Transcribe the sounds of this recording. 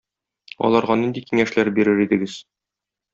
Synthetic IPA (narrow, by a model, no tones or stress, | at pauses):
ɒ̰lˠɑɾʁɑnind̪ikiŋæʃlæɾbiɾɘɾid̪ɘ̆ɡɘz